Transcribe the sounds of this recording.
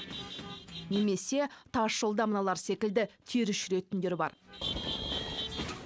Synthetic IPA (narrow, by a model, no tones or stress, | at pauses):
ne̞me̞se̞t̪ʰɑʃolˠd̪ɑmənɑlˠɑɾse̞kʲɪld̪ɪt̪ʰiɾɪʃɪɾe̞t̪ɪnd̪e̞ɾbɑ̰ɾ